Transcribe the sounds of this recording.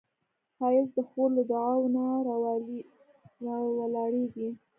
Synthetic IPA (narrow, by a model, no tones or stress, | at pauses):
fɑjɪsd̪əxoɾlad̪ʊawna | wəlɑɽeɡi